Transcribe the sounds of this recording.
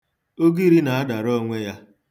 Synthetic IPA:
o˦ɡi˦ɾi˦na˨a˦da˨ɾo˦ŋʷe˦ja˦

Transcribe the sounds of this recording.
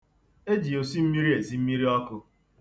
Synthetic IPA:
e˦d͡ʒi˨o˨si˦m̩˦mi˦ɾi˦e˨zi˨m̩˦mi˦ɾi˦ɔ˦kʊ˦

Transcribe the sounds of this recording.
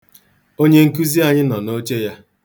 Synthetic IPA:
o˦ɲe˦ŋ̩˦ku˦zi˦a˨ɲɪ˦nɔ˨no˦t͡ʃe˦ja˦

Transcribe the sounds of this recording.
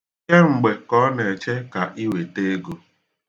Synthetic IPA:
e˦ŋ͡m̩˨ɡ͡be˨kɔ˦ne˨t͡ʃe˦ka˨ʔi˦we˨te˦ɡo˨

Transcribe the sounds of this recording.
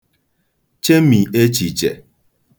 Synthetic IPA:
t͡ʃe˦mi˨e˦t͡ʃi˨t͡ʃḛ˨

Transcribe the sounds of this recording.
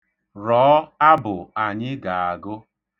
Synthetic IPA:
ɾɔː˨˦a˦bʊ˨a˨ɲɪ˦ɡa˨a˨ɡʊ˦

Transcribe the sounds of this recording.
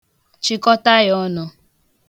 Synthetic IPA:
t͡ʃɪ˦kɔ˦ta˦jɔ˦nʊ˨

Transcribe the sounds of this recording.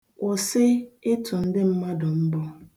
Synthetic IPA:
o˨sɪ˦e˦tʊ˨n̩˦dɪ˦m̩˦ma˦dʊ˨m̩˦bɔ˦

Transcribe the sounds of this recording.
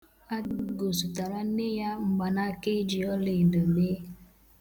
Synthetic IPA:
a˦ɡo˨su˨ta˨ɾa˦ne˦ja˦ŋ͡m̩˨ɡ͡ba˨na˦ke˦d͡ʒi˨ɔ˦le˨do˨meː˦

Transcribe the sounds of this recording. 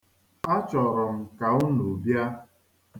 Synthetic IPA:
a˦t͡ʃɔ˨ɾʊ˨m̩˨ka˨ʊ˦nu˨bja˦

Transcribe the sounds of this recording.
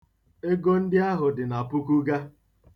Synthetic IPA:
e˦ɡo˦n̩˦dɪ˦a˦ɦʊ˨dɪ˨na˨pʊ˦ku˦ɡa˦

